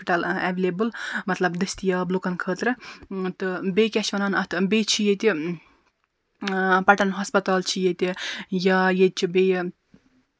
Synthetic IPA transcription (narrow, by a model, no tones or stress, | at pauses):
piʈɐlɛʋeleːbɨlmɐt̪lɐbd̪ɐst̪ijaːblukɐnkʰəːt̪ɾɨt̪ɨbeːkʲɐʃʋɐnɐnɐt̪ʰbet͡ʃʰijet̪ʲi | pɐʈɐnɦɐspɐt̪aːlt͡ʃʰijet̪ʲijajed̪̚t͡ʃʰibej